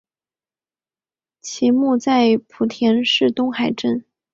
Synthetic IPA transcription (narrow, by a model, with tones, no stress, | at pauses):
t͡ɕʰi˧˥mu˥˧t͡sa˥˩ɪpʰu˨˩t̪ʰjɛ˧˥nʂɻ̩˥˩t̪ʊ˥ŋxa˨˩ɪʈ͡ʂə˥˩n